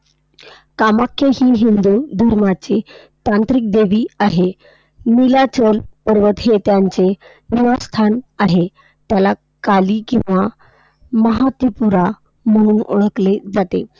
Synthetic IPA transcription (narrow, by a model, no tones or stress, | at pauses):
kamakʰːeɦiːɦind̪ud̪ʱəɾmat͡se | t̪ãnt̪ɾik̚d̪eʋiːaɦe | nilat͡ɕəlpəɾʋət̪ɦet̪jaɲt͡se | niʋast̪ʰanaɦe | t̪jala | kaliːkḭ̃w̃ʋa | məɦat̪ipuɾa | m̤əɽ̃uːnoɭəkled͡zat̪e